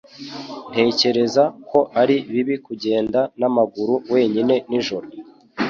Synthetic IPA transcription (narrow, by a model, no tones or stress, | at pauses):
nte̞ːce̞ɾe̞zako̞ʔaɾiβiβikuɟe̞ːndanamaɡuɾuwe̞ːɲine̞niʒoɾo